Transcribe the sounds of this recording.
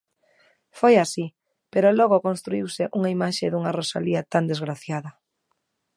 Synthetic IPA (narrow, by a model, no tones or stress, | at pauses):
fojasi | peɾolɔɣokõnst̪ɾuiwsɪʔuŋaimaʃeðuŋarosa̰liat̪and̪ezɣɾaθjaðɐ